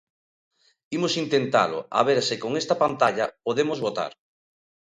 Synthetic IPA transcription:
imosint̪ent̪a̰lʊ̰a̰βeɾsɪkoŋest̪ɐpant̪aʎɐpoðemozβot̪a̰ɾ

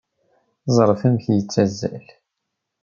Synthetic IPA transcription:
zˤɾˤfæmθjət͡sːæzːæ̰l

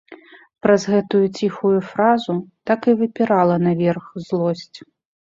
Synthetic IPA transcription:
pɾɐzɣɛt̪ujut͡sʲixujufɾazut̪akɨvɨpʲiɾalˠɐnɐvʲɛrxzlˠɔsʲt͡sʲ

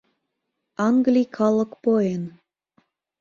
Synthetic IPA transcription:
ɑŋɡlʲikʰɑlɤ̆kpoen

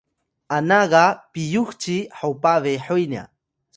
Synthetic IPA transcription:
anaɢɑpijuχt͡ʃiħawpaβeħojna̰

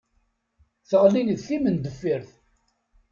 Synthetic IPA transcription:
θəʁlinðθimənd̪əfːiɾθ

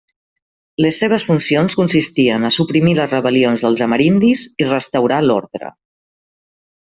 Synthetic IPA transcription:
ləsːeβ̞əsfunsionskunsist̪iənəsupɾimiləzrəβəlionzðəlˠzəməɾind̪izirəst̪əwɾalo̰ɾðɾə̰

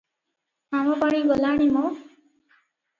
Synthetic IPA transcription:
amɔpaɽ̃iɡɔlaɽ̃imɔ

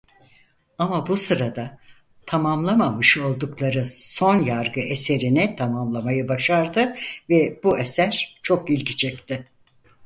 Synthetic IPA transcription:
amabusɯɾad̪a | t̪ʰamamlˠamamɯʃo̞lˠd̪uklˠaɾɯso̞njaɾɡɯʔese̞ɾinɛt̪ʰamamlˠamajɯbaʃaɾd̪ɯvɛb̥uesæɾt͡ʃʰo̞kilʲcit͡ʃʰɛc̚t̪ɪ

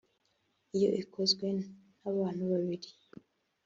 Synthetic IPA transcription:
ijo̞̰ʔikʰozɡwe̞naβaːn̥uβaβiɾi

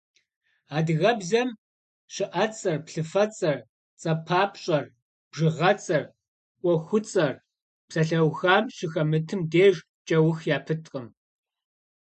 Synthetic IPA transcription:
aːdɣɐbzɐm | ɕɪʔɐt͡sʼɐrpɬɨfɐt͡sʼɐr | t͡sʼɐpʰaːpʰʼɕʼɐr | b̥ʐɨʁɐt͡sʼɐr | ʔʷʼɔxʷʊt͡sʼɐr | psɐɬɐwxaːmɕɪxɐmɨtʰɨmdeːʒ | t͡ʃʼɐwʊxjaːpʰɨtʰʼqʼəm

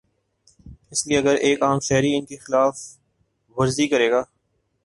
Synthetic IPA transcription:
ɪslieɐɡəɾʔeːkaːmʃɛɦɾiɪnkexɪlaːf | ʋɐɾzikəɾeːɡaː

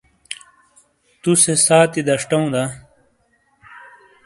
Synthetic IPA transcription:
t̪usesaːt̪id̪ɐʂʈɐũd̪a

